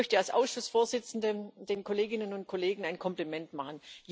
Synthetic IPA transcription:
œçtəalsʔa̰ʊsʃʊsfoːɐzɪt͡sn̩dəd̥eːnkʰoleːɡɪnənʊnt̚kʰoleːɡŋ̩aɪnkʰɔmplimɛntmaχənj

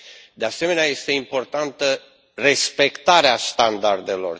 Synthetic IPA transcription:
d̪ease̞me̞neaje̞st̪e̞impo̞rt̪ant̪ə | re̞spe̞kt̪aɾeast̪and̪ard̪e̞lo̞̰r

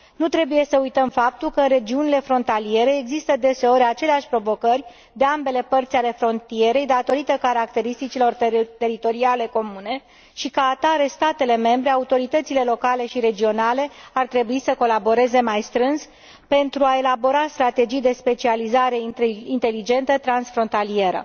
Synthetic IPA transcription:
nut̪ɾe̞buje̞səujt̪əmfap̚t̪ulkəɨnre̞d͡ʒiunile̞fɾo̞nt̪alie̞ɾe̞ːɡzist̪əd̪e̞se̞o̞ɾʲat͡ʃe̞leaʃʲpɾo̞vo̞kərʲ | d̪e̞ambe̞le̞pərt̪sʲale̞fɾo̞nt̪ie̞ɾe̞jd̪at̪o̞ɾit̪əkaɾak̚t̪e̞ɾist̪it͡ʃilo̞rt̪e̞ɾit̪o̞ɾiale̞ko̞mune̞ | ʃikəat̪aɾe̞st̪at̪e̞le̞me̞mbɾe̞aut̪o̞ɾit̪ət̪sile̞lo̞kale̞ʃiɾe̞d͡ʒio̞nale̞art̪ɾe̞buisəko̞labo̞ɾe̞ze̞majst̪ɾɨnz | pe̞nt̪ɾuae̞labo̞ɾast̪ɾat̪e̞d͡ʒijd̪e̞spe̞t͡ʃializaɾe̞int̪e̞lid͡ʒe̞nt̪ət̪ɾansfɾo̞nt̪alie̞ɾə̰

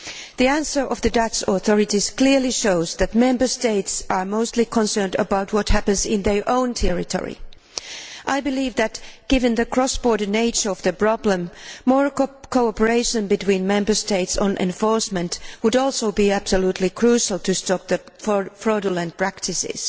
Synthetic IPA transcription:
ðiæ̃nsə˞ʔʌvðɨdatsɔθɔɹɨtiz̥kl̥ɪɹliʃoʊzðɨt̚mɛ̃mbə˞steɪtsʔəɹmoʊstˡlikʰə̃nsɜ̃˞ndə̰baʊt̚wʌthæpɨ̃nzɪ̃nðə˞ʔõʊ̃ntʰɛɹɪtʰɔ̰ɹḭ | ʔaɪbɨliːvðɨtɡ̥ɪvɨ̃nðɨkʰɹ̥ɔsb̥ɔɹdə˞neɪt͡ʃə˞ʌvðɨpɹ̥ɑblə̃mːɔɹkʰoʊɑpə˞eɪʃɨ̃nbɨtʰwĩnmɛ̃mbə˞steɪtsə̃nʔɛ̰̃ɱfɔɹsmɨ̃ntwʊɾɔlˠsoʊbiæb̥səlutʰˡlikʰɹ̥uʃl̩ˠtʰɨstɔp̚ðɨ | ffɹɔdəlˠɨ̃npʰɹ̥æktʰɪsɪ̰z̥

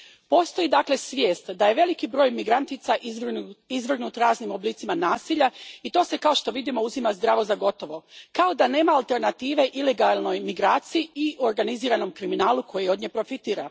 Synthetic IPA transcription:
po̞ːst̪o̞jid̪akle̞sʋʲjeːst̪d̪aje̞ʋe̞likibɾo̞ːjmiɡɾant̪it̪saʔizʋr̩ɡnuːt̪ɾaːznimo̞bliːt̪imanaːsiʎait̪o̞ːse̞kao̞ʃt̪o̞ʋid̪imo̞uzimazd̪ɾaːʋo̞zaɡo̞t̪o̞ʋo̞kao̞d̪ane̞ːmaːlˠt̪e̞ɾnat̪iːʋe̞ʔile̞ɡalˠno̞jmiɡɾaːt̪sijiioɾɡaniziːɾano̞mkɾiminaːlukʰo̞jio̞d̪̚ɲeːpɾo̞fit̪iːɾa̰

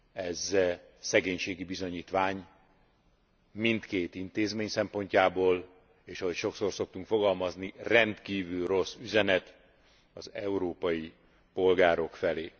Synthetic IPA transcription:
ɛzsɛɡeːɲʃeːɡibizo̞ɲiːt̪ʋaːɲ | mint̪keːt̪int̪eːzmeːɲsɛmpo̞ɲcaːboːl | eːʃɒɦocʃo̞kso̞rso̞k̚t̪uŋkfo̞ɡɒlmɒznirɛnt̪kiːvylro̞sːyzɛnɛt̪ | ɒzɛuɾoːpɒji | po̞lɡaːɾo̞kfɛleː

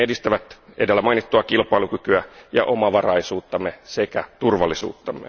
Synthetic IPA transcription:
edist̪æʋæt̪ʔedelːæmɑinit̪ːuɑkilpɑilukykyæjɑ̰ʔomɑʋɑrɑisuːt̪ːɑmːesekæt̪urʋɑlːisṵːt̪ːɑmːḛ

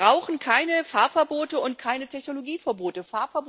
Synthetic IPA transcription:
ʁaʊxn̩kʰaɪnəfaɐfɛɐboːtəʊntkʰaɪnətʰɛçnoloɡiːfɛɐboːtəfaːɐfɛɐb

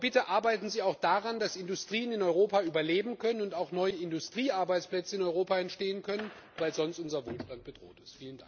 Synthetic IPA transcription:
bɪtəʔaɐbaɪtn̩ziːaʊxd̥aʁandasɪndʊstʁ̥iːənɪnɔʏʁoːpayːbɐleːbm̩kʰœnənʊntaʊxnɔʏəɪndʊstʁ̥iːʔaɐbaɪt͡splɛt͡səɪnɔʏʁoːpaɛntʃteːənkʰœnənvaɪlzɔnstʔʊnzɐvoːlʃtant̚b̥ədʁo̰ːtɪ̥stfiːlənda̰ŋ

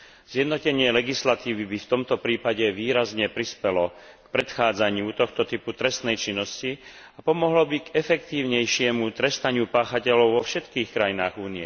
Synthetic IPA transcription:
z̥jɛd̪nɔcɛɲɪɛlɛɡislat̪iːʋibift̪ɔmt̪ɔpɾiːpaɟɛʋiːɾazɲɛpɾispɛlɔ | kpɾɛt̪xaːd͡zaɲɪut̪ɔxt̪ɔt̪iput̪ɾɛst̪nɛjt͡ʃinːɔsci | apɔmɔɦlɔbiɡɛfɛkt̪iːʊɲɛjʃɪɛmut̪ɾɛst̪aɲɪupaːxacɛlɔʊʋɔfʃɛt̪kiːxkɾajinaːɣuːniɛ

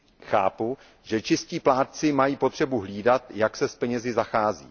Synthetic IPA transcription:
xa̰ːpu | ʒɛt͡ʃɪsciːplaːt̪t͡sɪmajiːpo̞t̪r̥ɛbuɦliːdat̪jaksɛspɛɲɛzɪzaxaːzḭː

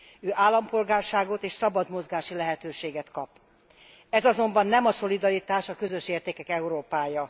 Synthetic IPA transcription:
øːʔaːlːɒmpo̞lɡaːrʃaːɡo̞t̪eːʃsɒbɒd̪mo̞zɡaːʃilɛɦɛt̪øːʃeːɡɛt̪kɒp | ɛzɒzo̞mbɒnːɛmɒso̞lid̪ɒɾit̪aːʃɒkø̞zø̞ʃeːrt̪eːkɛkɛuɾoːpaːjɒ

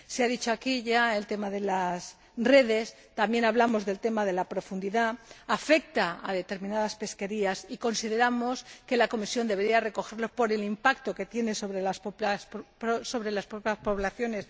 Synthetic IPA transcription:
seaðit͡ʃo̞akiʝaelt̪e̞maðe̞las | re̞ðe̞s | t̪amjenaβlamo̞zðe̞lt̪e̞maðe̞lapɾo̞fund̪iðaːfe̞k̚t̪aa̰ðe̞t̪e̞ɾmĩnaðaspe̞ske̞ɾiasiko̞nsiðe̞ɾamo̞ske̞lako̞misjo̞nd̪e̞βe̞ɾiare̞ko̞xeɾlo̞po̞ɾe̞limpakt̪o̞ke̞t̪je̞neso̞βɾe̞laspospso̞βɾe̞laspɾopjaspo̞βlaθjo̞ne̞s

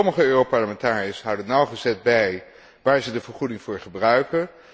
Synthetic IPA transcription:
ɔməχəøːropɑɹləmɛntaːriəsɦʌwdənɑwχəzɛt̚bɛj | ʋaːɹzədəvəɹχudɪŋvʊːɹχəbrœɥkən

